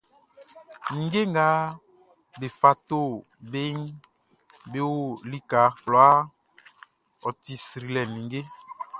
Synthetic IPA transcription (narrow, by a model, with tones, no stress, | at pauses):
nĩ˨ŋɡe˦ŋɡa˨˦ | be˨fa˨t̪o˦˨ | be˦ŋ | be˦wo˦˨li˦ka˨˦klɔ˨a˦ | ɔ˨ti˨sɾi˨lɛ˨nĩ˨ŋɡe˦